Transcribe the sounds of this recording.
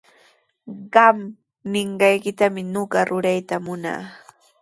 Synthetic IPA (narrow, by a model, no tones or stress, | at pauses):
ɢɑmː | ɪɴɢɑjkɪt̪amɪnoɢɑɾʊɾajt̪amʊna̰ː